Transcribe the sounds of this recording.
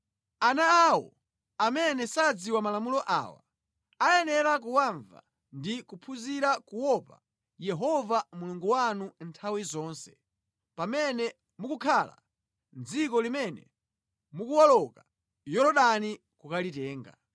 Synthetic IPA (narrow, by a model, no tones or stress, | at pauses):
anaːwɔ̰ | amɛnɛsad͡ziwamalamulɔʔa̰ːwa̰ | ajɛnɛɾak̬uwaɱva̰ | ndikupʰuziɾakuwɔpa̰ | jɛɦɔvamuluŋɡuwanuntʰawizɔːnsɛ̥ | pamɛnɛ | mukukʰala̰ | nzikɔlimɛnɛ̰ | mukuwalɔka | jɔɾɔɗani | kukalitɛːŋɡa̰